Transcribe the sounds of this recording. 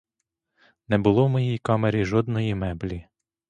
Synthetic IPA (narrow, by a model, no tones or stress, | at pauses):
nɛbʊlˠɔwmɔjijkɑmeɾʲiʒɔd̪nɔjimɛblʲi